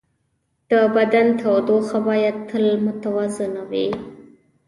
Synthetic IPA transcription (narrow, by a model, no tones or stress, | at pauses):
d̪̥əbad̪ant̪ʰawd̪oxabajad̪̚t̪ʰːəlmʊt̪awazɪnawḭ